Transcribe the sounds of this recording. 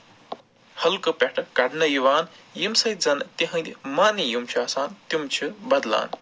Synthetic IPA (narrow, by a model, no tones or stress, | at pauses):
hɐlkɐpʲeʈʰɐkɐɖnɐjuʋaːnjimsɐj̪zɐnt̪iɦɐ̃nd̪imaːnijumt͡ʃʰuaːsaːnt̪umt͡ʃʰubɐd̪la̰ːn